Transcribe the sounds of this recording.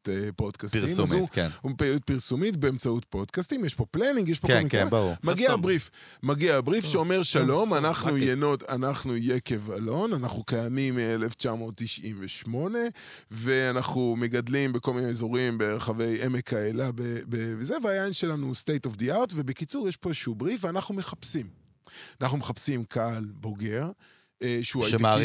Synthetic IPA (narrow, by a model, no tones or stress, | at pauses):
podkastimunupelut̚piʁsumitbe̞emt͡saut̚po̞dkast̪imjeʃpo̞planiŋɡjeʃpokomikmaɡiabʁif | maɡiabʁifʃeo̞me̞ʁʃalo̞manaχnujeno̞t̪anaχnujeke̞valo̞nanaχnukajamimeleft͡ʃamo̞ːt̪ːiʃʔimveʃmo̞ne̞ | ve̞anaχnume̞ɡadlimbekolmineːzoʁimbe̞ʁaχavejʔe̞mekʰaelabebevezeveajajnʃe̞lanustejtofd̪iaʁtve̞be̞kit͡suʁjeʃpo̞ʃubʁifveanaχnume̞χapsim | anaχnume̞χapsimkʰaalbo̞ɡe̞ʁ | ʃeuajti